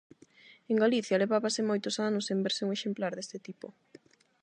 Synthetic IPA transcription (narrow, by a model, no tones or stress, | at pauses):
eŋɡaliθjɐleβaβasɪmojt̪ʊsanʊsembeɾsɪuŋeʃemplaɾðest̪ɪt̪ipo